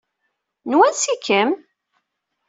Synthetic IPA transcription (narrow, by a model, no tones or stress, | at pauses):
nwænsikʰːəm